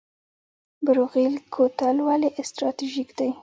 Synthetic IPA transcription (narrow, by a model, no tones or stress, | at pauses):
bɪɾoɣilkʰot̪alwaliʔɪst̪ɾɑt̪iʒikd̪aj